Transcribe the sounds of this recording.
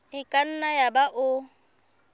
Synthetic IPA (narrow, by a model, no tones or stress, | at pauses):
ɪkʼan̩najabaʔʊ